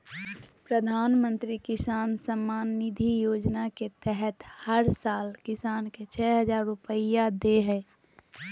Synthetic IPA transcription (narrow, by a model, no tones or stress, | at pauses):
pɾəd̪ʱaːnmə̃nt̪ɾikɪsaːnsəmːaːnːɪd̪ʱijoːd͡ʒnaket̪ɛɦɛt̪həɾsaːlkɪsaːnket͡ʃʰɛːɦəd͡ʒaːɾːʊpəijad̪eɦɛː